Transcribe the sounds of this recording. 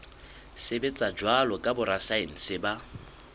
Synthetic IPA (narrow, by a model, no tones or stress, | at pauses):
sebet͡sʼad͡ʒwalɔkʼabʊɾasain̩sɪba